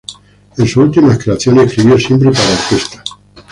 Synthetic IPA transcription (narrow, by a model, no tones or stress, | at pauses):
ensuult̪imaekɾeaθjo̞neekɾiβjosje̞mpɾepaɾaoɾk̪est̪ḁ